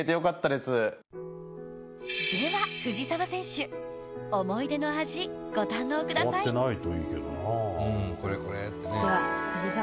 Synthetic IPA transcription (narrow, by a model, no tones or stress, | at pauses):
et̪ejo̞kat̪ːad̪e̞sɨ | sɨɾɯβaɸɯ̟ʑisaβasẽ̞ɕɨ | omo̞id̪e̞no̞aʑiɡ̥o̞t̪ãnːo̞ːkɯ̟d̪asaienait̪oḭːke̞̰d̪o̰nãko̞ɾeko̞ɾet̪ːeneohɯd͡ʑisa